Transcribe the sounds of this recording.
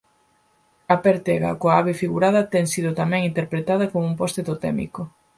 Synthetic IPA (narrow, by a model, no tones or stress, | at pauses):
ɐpeɾt̪ɛɣɐ̰koaaβefiɣuɾað̞ɐt̪ɛŋsiðʊt̪amɛ̃ŋint̪eɾpɾet̪að̞ɐkomoumpost̪eðot̪ɛ̰mḭko